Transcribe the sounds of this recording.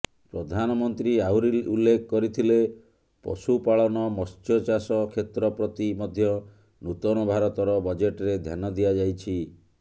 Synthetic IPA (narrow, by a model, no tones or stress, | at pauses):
pɾɔd̪ʱanɔmɔnt̪ɾiawɾilulːekʰɔkɔɾit̪ʰile | pɔ̰supaɭɔnɔmɔst͡ʃɔt͡ʃasɔkʰet̪ɾɔpɾɔt̪imɔd̪ʱjɔ | nut̪ɔnɔbʱaɾɔt̪ɔɾɔbɔd͡ʒeʈɾed̪ʱjanɔd̪ijad͡ʒajt͡ʃʰi